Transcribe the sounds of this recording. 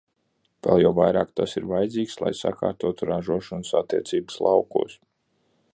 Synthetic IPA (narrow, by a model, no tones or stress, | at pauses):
v̥ɛ̰lˠjawvajɾaːkt̪asiɾvajd̪ziːkslˠa̰jsa̰ka̰ːɾt̪uɔt̪uɾaʒuɔʃɔnsat̪ːiɛt̪siːbə̥slˠɑwkṵːs